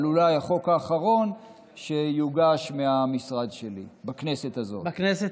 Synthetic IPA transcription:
lulajaχo̞kaːχaʁo̞n | ʃe̞juɡaʃmeamisʁad̪ʃelḭbakne̞set̪azo̞̰knese

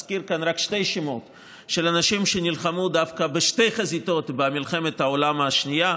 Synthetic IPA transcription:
skiɾkanʁakʃte̞jʃimo̞t̪ | ʃelanaʃimʃenilχamud̪afkabeʃte̞jχazit̪o̞t̪bemilχe̞met̪haolamaʃnija

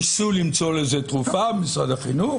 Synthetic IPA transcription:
sulimt͡so̞lezet̪ʁufabemisʁad̪aχinu

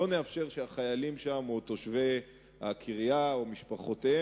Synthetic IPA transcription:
o̞neafʃe̞ʁʃeaχajalimʃamot̪o̞ʃve | akʰiʁjaomiʃpaχote

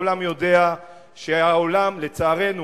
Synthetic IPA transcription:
lamjo̞de̞a | ʃeaolamle̞t͡saːʁe̞nu

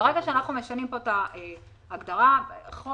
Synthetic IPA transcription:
ʁeɡaʃeanaχnume̞ʃanimpo̞t̪aeː | ɡd̪aʁaχo

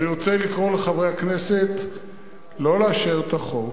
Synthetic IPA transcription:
niʁo̞t͡selikʁo̞leχavʁehaknese̞t̪ | lo̞leaʃeʁt̪aχo

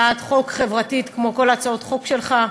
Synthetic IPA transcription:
at̪χo̞kχe̞vʁatit̪kmo̞ko̞lat͡sao̞tχo̞kʃe̞lχa

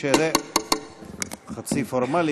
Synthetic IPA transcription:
ezɛ | χat͡sifoɾmali

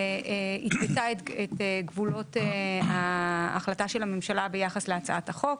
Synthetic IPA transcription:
it̪betaeeteɡvulo̞tea̰ːχlataʃelhamemʃalabe̞jaχasleat͡saathaχo̞k

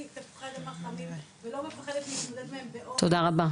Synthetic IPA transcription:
it̪efḁχed̪emaχavimvelo̞mefaχed̪et̪mit̪mod̪elmeembeʔot̪od̪aʁaba

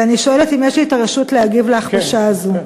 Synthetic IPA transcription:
aniʃoeletimeʃliːtaʁeʃutleaɡivleaχaʃaːzu

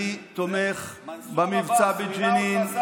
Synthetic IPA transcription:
it̪omeχbamivt͡sabed͡ʒenin

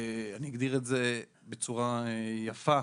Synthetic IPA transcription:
aniiɡd̪iʁetze̞ | bet͡suʁajafa

